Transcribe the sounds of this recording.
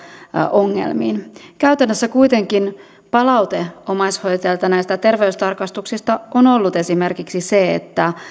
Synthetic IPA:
ʔo̞ŋːḛlmḭːnkæyɥt̪ænːøsːækujt̪e̞ŋkin | pɑlɑwt̪e̞omɑjshojt̪elt̪ɑnæjst̪æt̪e̞rʋeyst̪ɑrkɑst̪uksist̪ɑʔono̞lːut̪e̞sime̞rkiksiseḛt̪ːæ

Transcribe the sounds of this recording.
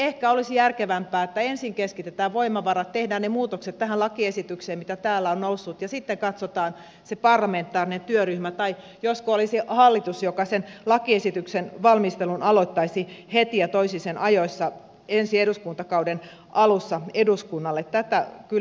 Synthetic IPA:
ehkæolisijærkeʋæmpæːet̪ːæensiŋkeskit̪et̪æːʋʋoimɑʋɑɾɑt̪t̪ːehdæːnnemuːt̪okset̪t̪æhællɑkiesit̪ykseːmmit̪æt̪æːlːæonnousːut̪jɑsit̪ːeŋkɑt̪sot̪ɑːn | sepɑrlɑment̪ːˑɑːrinent̪yøryhmæt̪ɑi | joskoolisihɑlːit̪usjokɑsenlɑkiesit̪yksenʋɑlmist̪elunɑlot̪ːɑisihet̪ijɑt̪oisisenʔɑjoisːɑ | ensieduskunt̪ɑkɑuden | ʔɑlusːɑeduskunːɑlːet̪t̪ːæt̪ækyl

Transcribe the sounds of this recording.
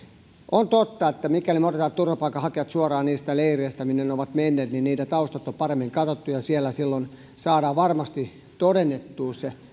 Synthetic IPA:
ʔont̪ot̪ːɑet̪ːæmikælimot̪et̪ɑːt̪t̪urʋɑpɑikːˑɑhɑkeʋɑt̪suɑrɑːniːst̪æleirieæst̪æminːenoʋɑt̪menːeːt̪ninniːtæt̪ɑust̪ɑt̪ːopɑremːiŋkɑt̪ot̪ːujɑsielːˑæsilːon | sɑːdɑːʋʋɑrmɑst̪i | t̪odenːet̪ːuːse

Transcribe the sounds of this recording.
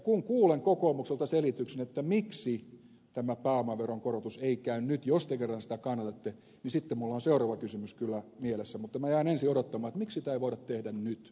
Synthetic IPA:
kuŋkuːleŋkokoːmukselt̪ɑselit̪yksenet̪ːæmiksi | t̪æmæpæːomɑʋʋeroŋkorot̪useikæynnyt̪jost̪ekerːɑnsĭ̥t̪ækɑnːɑt̪ɑt̪ːe | nisit̪ːemulːɑːnseurɑʋɑkysymyskylːæmielesːæmut̪ːɑmæjæinensiodot̪ːɑmɑːet̪miksit̪æiʋoidɑtt̪ehdænnyt̪

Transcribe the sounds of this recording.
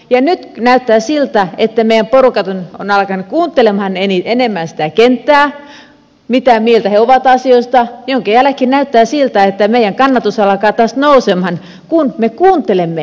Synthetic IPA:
jɑnyt̪næyt̪ːæːsilt̪æet̪ːæmeijæmporukɑt̪ononɑlɑkɑnukuːnt̪ːˑelemhɑneniˑt̪enemːænsi̥t̪ækent̪ːæː | mit̪æmielt̪æheoʋɑt̪ɑsioist̪ɑjoŋkɑjælækːinæyt̪ːæːsilt̪æet̪ːæmeijæŋkɑnːɑt̪usɑlɑkɑːt̪ɑst̪nousemhɑn | kunmekuːnt̪elemːe

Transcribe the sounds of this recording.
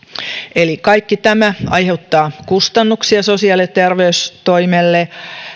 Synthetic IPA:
ʔelikɑikːit̪æmæɑ̰jhe̞ut̪ːɑːkust̪ɑnːuksiɑsosiɑlːet̪erʋeyst̪oimelːe

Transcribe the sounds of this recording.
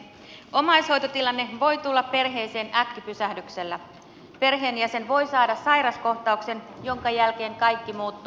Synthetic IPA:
o̞mɑjsho̞jt̪ot̪ilɑnːe̞ʋo̞jt̪ulːɑppe̞rɦe̞jse̞ːnækːipysæhdykse̞lːæ | pe̞rɦe̞ːnjæse̞nʋo̞jsɑːdɑsɑjɾɑsko̞ht̪ɑukse̞n | jo̞ŋkɑjælk̟e̞ːŋkɑjkːimuːt̪ːu

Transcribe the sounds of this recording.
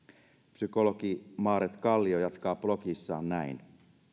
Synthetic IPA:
psyko̞lo̞kimɑːɾet̪kɑlːiojɑt̪kɑːplo̞kisːɑːnnæin

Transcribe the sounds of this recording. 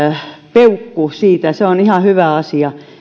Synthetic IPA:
peukːusiːt̪æseonihɑhyʋæɑsiɑ

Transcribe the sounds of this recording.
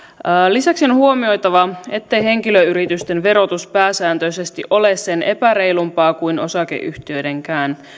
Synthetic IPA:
əːlisæksio̞nhuo̞mio̞jt̪ɑʋɑe̞t̪ːe̞jhe̞ŋkiløyɾit̪yst̪e̞nʋe̞ɾo̞t̪uspæːsæːnt̪øise̞st̪iʔo̞le̞sːe̞nʔe̞̰pæɾe̞jlumpɑːkuijno̞sɑk̟e̞̰ʔy̰ht̪iø̞de̞ŋkæːn

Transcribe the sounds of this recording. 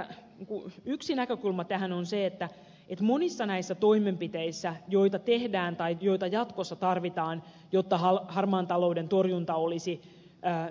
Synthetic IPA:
kuyksinækøkulmɑt̪æɦænonseet̪ːæ | et̪mo̞nisːɑnæisːæt̪o̞imempit̪eisːæjo̞jt̪ɑt̪e̞hdæːnt̪ɑjjo̞it̪ɑjɑt̪kosːɑt̪ɑrʋit̪ɑːn | jot̪ːɑɦɑlhɑrmɑːnt̪ɑloudent̪orjunt̪ɑolisiː

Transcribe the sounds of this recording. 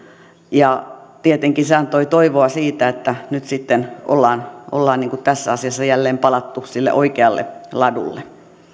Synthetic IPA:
jɑt̪iet̪eŋkinseɑnt̪oit̪oiʋoɑsiːt̪æet̪ːænyt̪sit̪ːeno̰lːɑːno̰lːɑːniːŋkut̪æsːæɑsiɑsːɑjælːeːmpɑlɑt̪ːusilːḛʔoikeɑlːḛlɑdṵlːe

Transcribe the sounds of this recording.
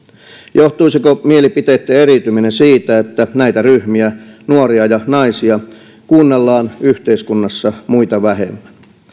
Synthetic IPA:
joht̪uisikomielipit̪eːt̪ːeeɾit̪yminesiːt̪æet̪ːænæit̪æryhmiænuoɾiɑjɑnɑisiɑ | kuːnːelːɑːnyht̪eiskunːɑsːɑmuit̪ɑʋæɦḛmːæ̥n

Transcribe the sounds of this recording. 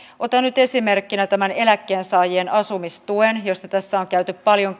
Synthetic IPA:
ʔo̞t̪ɑnyt̪e̞sime̞rkːinæt̪æmæne̞lækːe̞ːnsɑːjienɑsumist̪uenjo̞st̪ɑt̪æsːæoŋkæyt̪yppɑljo̞ŋ

